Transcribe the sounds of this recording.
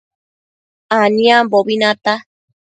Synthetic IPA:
anĩãboβinãt̪a

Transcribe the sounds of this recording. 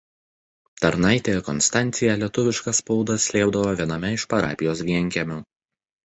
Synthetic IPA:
t̪ɐɾnɐɪt̪ʲekɔnst̪ɑˑnʲt̪sʲɪjɛlʲiɛt̪ʊʋʲɪʃkɐspɔʊd̪ɐsʲlʲeːbd̪ɐʋoːʋʲiɛnɐmʲɛɪʃpɐɾɑ̰ːpʲɪjoːsʋʲiɛŋʲkʲɛmʲʊ

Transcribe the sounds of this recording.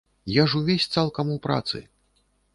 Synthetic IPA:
jaʐuvʲesʲt̪salˠkɐmupɾa̰t̪sɨ̰

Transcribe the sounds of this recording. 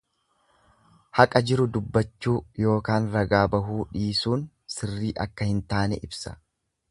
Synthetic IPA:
hɐkʼɐd͡ʒɪɾʊd̪ʊbːɐt͡ʃːuːjo̞ːkaːnɾɐɡaːbɐɦuːᶑiːsuːn | sɪrːiːʔɐkːɐhɪnt̪aːnɛ̰ʔɪbsɐ̥̰

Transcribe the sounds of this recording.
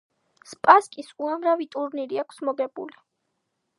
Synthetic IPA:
spʼaskʼisuamɾavit̪ʼuɾniɾiakʰsmɔɡɛbṵli

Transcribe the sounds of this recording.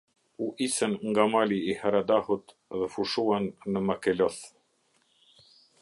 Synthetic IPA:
uʔisənŋɡamaliihaɾad̪ahut̪ | ðəfuʃuwanːəmakelɔθ

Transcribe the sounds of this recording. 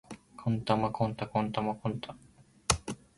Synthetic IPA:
kʰont̪amakont̪akont̪amakõnt̪ʰa

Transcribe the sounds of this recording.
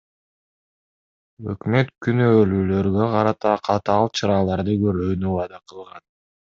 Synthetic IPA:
ø̰kmø̞t̪kʰynøːlyːlø̞ɾɡø̞qʰɑɾɑt̪ɑqʰɑt̪ɑɑlˠt͡ʃʰɑɾɑːlˠɑɾd̪ɯɡøɾøːnywɑd̪ɑqʰɯlˠʁɑn

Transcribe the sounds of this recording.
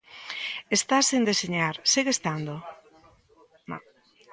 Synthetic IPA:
est̪asend̪eseɲaɾsiɣest̪and̪o | m

